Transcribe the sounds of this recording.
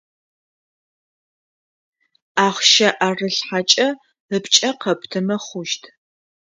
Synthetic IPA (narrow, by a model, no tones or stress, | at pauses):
aːχʷʃɐʔaːrɨɬħat͡ʃʼɐ | ɨpt͡ʃʼɐqɐpʰtʰɨmɐχʷʊʃtʰ